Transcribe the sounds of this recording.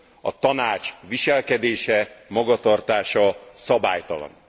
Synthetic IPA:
ɒ̰t̪ɒnaːt͡ʃʋiʃɛlkɛd̪eːʃɛmɒɡɒt̪ɒrt̪aːʃɒsɒba̰ːjt̪ɒlɒ̰n

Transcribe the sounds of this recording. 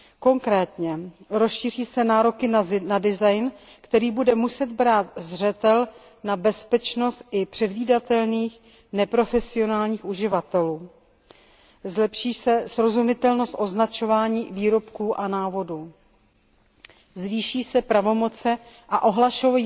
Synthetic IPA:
ko̞ŋkɾɛːt̪ɲɛɾosʃiːr̝iːsɛnaːɾo̞kɪnnadɪzajn | kt̪ɛɾiːbudɛmusɛd̪̚bɾaːt̪zr̝ɛt̪ɛl | nabɛspɛt͡ʃno̞st̪ʔɪpr̥ɛdviːdat̪ɛlniːx | nɛpɾo̞fɛsɪo̞naːlɲiːxuʒɪvat̪ɛluː | zlɛpʃiːsɛsɾo̞zumɪt̪ɛlno̞st̪ʔo̞znat͡ʃo̞vaːɲiːviːɾo̞pkuːʔanaːvo̞duː | zviːʃiːsɛpɾavo̞mo̞t͡sɛ | ʔaʔo̞ɦlaʃo

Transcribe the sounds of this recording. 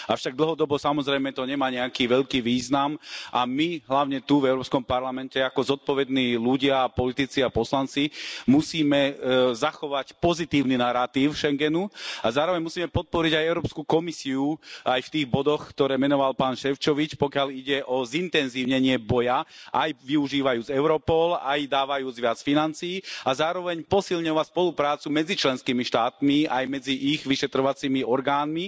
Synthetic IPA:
aʊʃaɡ̚d̪l̩ɦɔd̪ɔbɔsamɔzɾɛjmɛt̪ɔɲɛmaːɲɛakiːʋɛʎkiːʋiːznamʔamiɦlaʊɲɛt̪uvɛʊɾɔːpskɔmpaɾlamɛncɛakɔzɔt̪̚pɔʋɛd̪niːluɟɪapɔlit̪it͡siapɔslant͡simusiːmɛzaxɔʋacpɔzit̪iːʊninaɾat̪iʊʃɛŋɡɛnuazaːɾɔʋɛɲmusiːmɛpɔt̪̚pɔɾiɟajɛʊɾɔːpskukɔmisiuajft̪iːɣbɔd̪ɔxkt̪ɔɾɛːmɛnɔʋalpaːnʃɛft͡ʃɔʋit͡ʃpɔkɪaliɟɛʔɔzint̪ɛnziːʊɲɛɲɪɛbɔjaʔajʋiuʒiːʋajuːd͡zɛʊɾɔpɔlajd̪aːʋajuːd͡zʋɪat͡sfinant͡sijːazaːɾɔʋɛɲpɔsilɲɔʋacspɔlupɾaːt͡sumɛd͡zit͡ʃlɛnskiːmiʃt̪aːt̪miajmɛd͡ziʔiɣʋiʃɛt̪ɾɔʋat͡siːmiɔɾɡaːnmi

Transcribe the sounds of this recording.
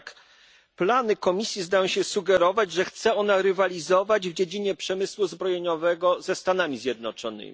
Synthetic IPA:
k | planɘkɔmʲisʲjizd̪ajɔ̃w̃ɕɛsuɡɛɾɔvad͡ʑʐɛxt̪sɛɔnaɾɘvalʲizɔvad͡ʑvd͡ʑed͡ʑiɲɛpʂɛmɘswuzbɾɔjeɲɔvɛɡɔzɛst̪an̪amʲizʲjɛd̪̚nɔt͡ʂɔnɘ̰mʲi

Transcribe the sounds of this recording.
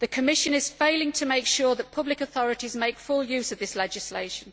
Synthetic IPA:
ðəkʰəmɪʃə̃nɪz̥ffeɪlɪ̃ŋtʰəmeɪkʃɔːðəʔpʰʌblɪkəθɒɹɪtɪzmeɪkfʊlˠjʉːzəvðɪslɛd͡ʒɪslḛɪʃə̃n

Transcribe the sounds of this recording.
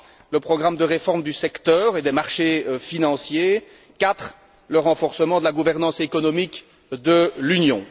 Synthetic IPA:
ləpχɔɡʁamd̪əʁefɔʁmd̪ysɛkt̪œːʁed̪ɛmaʁʃefinɑ̃sje | kat̪χ | ləʁɑ̃fɔʁsəmɑ̃d̪əlaɡuvɛʁnɑ̃sekɔnɔmik | d̪əlynjɔ̰̃

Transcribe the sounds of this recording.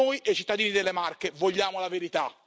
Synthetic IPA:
ojʔejt͡ʃit̪ːad̪iːnid̪elːemarkevoʎːaːmolaveɾit̪a

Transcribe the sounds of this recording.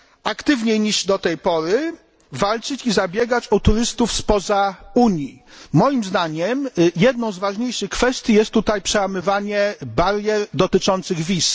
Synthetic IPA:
akt̪ɘvɲejɲiʐd̪ɔt̪ɛjpɔɾɘ | valt͡ʂɘt͡ɕizabʲjɛɡat͡ɕɔt̪uɾɘst̪ufspɔzauɲjimɔjimzd̪aɲɛmjɛd̪̚nɔ̃w̃zvaʐɲejʂɘxkfɛst̪ʲjijɛst̪ːut̪ajpʂɛwamɘvaɲɛbaɾjɛɾd̪ɔt̪ɘt͡ʂɔnt̪sɘɣvʲis

